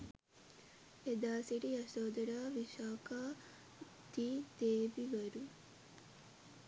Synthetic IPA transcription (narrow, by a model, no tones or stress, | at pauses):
ed̪aːsiʈiɐsoːd̪ɐɾaːʋiʃaːkaː | d̪iːd̪eːʋiʋɐɾu